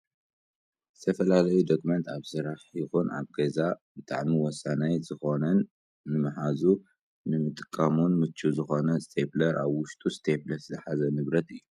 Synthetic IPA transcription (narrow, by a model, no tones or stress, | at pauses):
zɨt̪ʰɐfɐlalɐjud̪okumɐnt̪ʰaβsɨɾaħjɪxunʔa̰βɡɐzabɨt̪ʼa̰ʕmiwɔsanajzɨxo̞nɐnː | ɨmɨħazu | nɨmɨt̪ʼɨ̥kʼːamunmɨt͡ʃʰːuzɨxo̞nɐst̪ʰeplɐɾʔa̰βwʊʃt̪ʼust̪ʰeplɐɾszɨħazɐnɨβɾɐt̪ɨjːu